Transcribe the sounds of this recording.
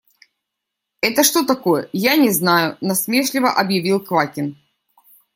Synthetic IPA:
ɛt̪əʂt̪o̞t̪ɐko̞jəjanʲɪznajʊnɐsmʲe̞ʂlʲɪvəʔɐbjɪvʲilˠkvakʲɪn

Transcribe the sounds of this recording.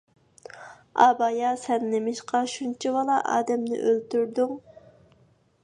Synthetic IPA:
ɑbɑjɑsɛnːɪmɪʃqɑʃunt͡ʃʰibɑlˠɑʔɑ̰ːd̪ɛmnɪ̰ʔølt̪yɾd̪yŋ

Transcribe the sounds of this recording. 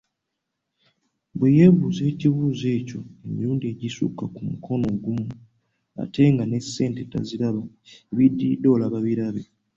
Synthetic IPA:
bweje̞βuze̞ːciβuːze̞ːco̞e̞mḭɾuːndie̞ɟisṵkakumukʰo̞no̞ɡumu | a̰te̞ŋɡane̞sːe̞ːnte̞ta̰ziɾaβa | eβidːido̞laβaβiɾaβe̞

